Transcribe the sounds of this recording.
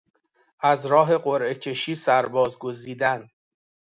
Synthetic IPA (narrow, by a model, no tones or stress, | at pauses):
ʔæzɾɒːɦe̞ɢoɾʔe̞cʰe̞ʃiːsæɾbɒːzɡo̞ziːd̪æn